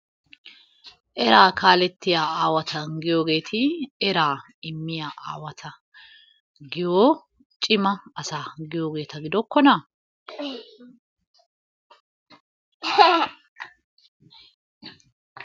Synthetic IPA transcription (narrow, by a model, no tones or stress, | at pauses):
ʔɛɾaːkaːlɛt̪ːɪjaːaːwɐt̪ʰɐɡɪjoːɡe̞ːt̪ʰɪɛɾaː | ɪmːɪjaːʔa̰ːwɐt̪ʰɐ | ɡɪjoː | t͡ʃʼɪmɐːsaːɡɪjoːɡe̞ːt̪ɐɡɪd̪ɔkːɔnɐ